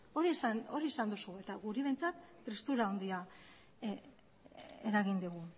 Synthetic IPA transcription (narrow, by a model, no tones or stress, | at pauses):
o̞ɾiesano̞ɾie̞sand̪usue̞t̪aɣuɾiβe̞nt͡sat̪ːɾist̪uɾaond̪ia | eɾaɣind̪uɣ̞u